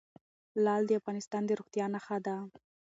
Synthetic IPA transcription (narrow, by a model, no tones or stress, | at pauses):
lɑld̪əafɣɑnɪst̪ɑnd̪əɾoɣt̪jɑnaxad̪a